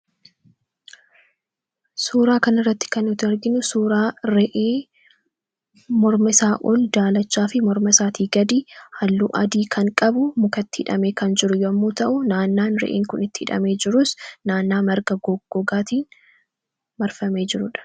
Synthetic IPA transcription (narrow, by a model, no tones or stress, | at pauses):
suːɾaːkɐnɪrːɐt̪ːɪ̥kɐnʊt̪ɪɐɾɡɪnʊsuːɾaːɾɛʔeː | mɔɾmɪsaːʔoːld̪aːlɐt͡ʃːaːfɪmɔɾmɐsaːt̪ʰiːɡɐd̪iːhɐlːuːʔɐd̪iːkɐŋkʼɐbʊmʊkɐt̪ːɪ̥ɪᶑɐmeːkɐnd͡ʒɪɾʊjoɐmːuːt̪ɐʔʊnaːnːaːnɾɛ̰ʔḛːŋkʊnɪt̪ːɪ̥ɪᶑɐ̰me̞ːd͡ʒɪɾʊsnaːnːaːmɐɾɡɐɡɔɡ̥ːɔɡaːt̪iːn | mɐɾfɐme̞ːd͡ʒɪɾʊᶑɐ̥